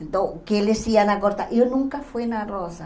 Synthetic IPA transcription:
d̪okeelesianakoɾt̪aʔewnũŋkafujnarosa

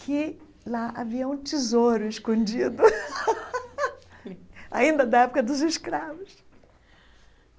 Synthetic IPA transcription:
kʰɪ | laʔaviɐũt͡ʃizoɾʊɪskõd͡ʒid̪ʊ | a̰ĩnd̪ɐd̪ɐɛpʊkɐd̪ʊzɪʃkɾavʊs

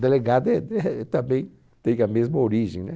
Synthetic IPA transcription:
d̪eleɡad̪ɛd̪ɛt̪ɐ̃mbẽj̃ | t̪ẽj̃ɐmezmɐoɾiʒẽnɛ

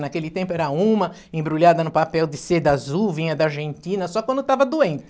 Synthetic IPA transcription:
nakelɪt̪ẽmpʊɛɾɐũmɐ | ẽbɾuʎad̪ɐnʊpapɛwd̪ɪsed̪azuvĩɲɐd̪ɐaɾʒẽnt̪ĩnɐsɔkwɐ̃nd̪ʊt̪avɐd̪uẽnt̪ɪ

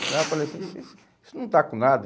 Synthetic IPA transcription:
lafɐlejɐsĩsis | i̥sʊnɐ̃w̃t̪akõnad̪ɐ

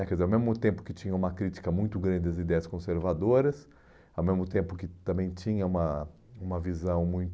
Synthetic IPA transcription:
kɛizeɾawmezmʊt̪ẽmpʊ̥kɪt͡ʃĩɲɐũmɐkɾit͡ʃi̥kɐmũj̃t̪ʊɡɾɐ̃nd͡ʒɪd̪ɐzid̪ɛjɐskõseɾvad̪oɾɐs | awmezmʊt̪ẽmpʊkɪt̪ɐ̃mbẽj̃t͡ʃĩɲɐũmɐ | ũmɐvizɐ̃w̃mũj̃t̪

